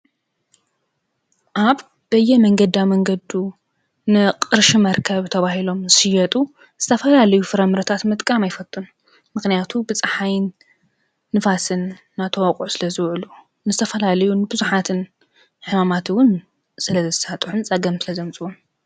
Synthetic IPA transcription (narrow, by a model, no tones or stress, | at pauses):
ʔaβ | b̥ɐjɛmɐŋɡɐd̪iawmɐŋɡɐd̪u | nɨqʼɨɾʃimɐɾkʰɐβt̪ʰɐβaɦilo̞mzɨʃɨjɛt̪ʼu | z̥ɨt̪ʰɐfɐlalɐjufɨɾɐmɨɾɐt̪ʰat̪mɨt̪ʼkʼamajfɐt̪ʼun | mɨxnijat̪ʰubɨt͡sʼɨħajnː | ɨfasɨnː | at̪ʰɐwakʼʕusɨlɐzɨwʕulu | nɨzɨt̪ʰɐfɐlalɐjunɨbɨzuħat̪ʰɨn | ħɨmamat̪wʊn | sɨlɐzɨsat̪ʼħunt͡sʼɐɡɐmsɨlɐzɐmt͡sʼɨwom